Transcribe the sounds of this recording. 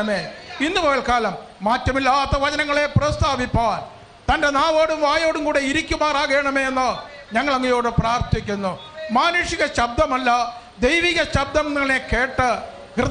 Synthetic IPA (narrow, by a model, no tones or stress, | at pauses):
ɐmeːinːuʋɐɐɭkaːlɐmː | aːtːɐmilːɐɐt̪ːɐʋɐd͡ʑɐnɐŋːɐɭe̞prɐst̪ʰaːbipːaːn | t̪ɐnde̞naːʋo̞ːɽumʋaːjoːɽumkuːɽe̞iɾikʲːumaːraːɣeːɳɐme̞ːenːa | ɲɐŋːɐɭɐŋːɐjo̞ːɽɨpraːrt̪ʰikʲːunːu | maːnuʂiɣɐɕɐb̚d̪ɐmɐlːɐ | d̪ejʋiɣɐɕɐb̚d̪ɐmniŋːɐɭneke̞ːʈːɨ | hrɨ